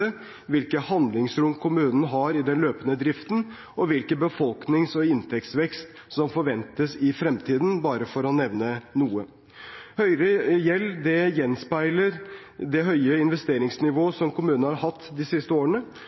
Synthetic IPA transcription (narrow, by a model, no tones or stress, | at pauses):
ə | ʋɪlkəhɑnd̪lɪŋsɾʊmkʰʊmʉːnən̩ɦɑɾɪd̪ɛnløːpənəd̪ɾɪft̪n̩ | ɔʋɪlkəbəfɔlknɪŋsɔɪnt̪ʰɛkt̪sʋɛkst̪ | sɔmfɔɾʋɛnt̪əsɪfɾɛmt̪ʰiːd̪n̩bɑːɾəfɔɾɔnɛʋnənuːə | hœʏɾəjɛlːd̪ɛjɛnspæɪləɾ | d̪ɛɦœʏəɪnʋɛst̪eːɾɪŋsnɪʋoːsɔmkʰʊmʉːnhɑɾhɑt̪ːd̪ɪsɪst̪əoːɾəɳə